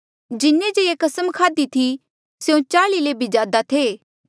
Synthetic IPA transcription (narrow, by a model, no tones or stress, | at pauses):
d͡ʒɪnːed͡ʒeekɐsəmkʰaːd̪it̪ʰi | seũt͡ʃaːlileːbid͡ʒaːd̪at̪ʰeː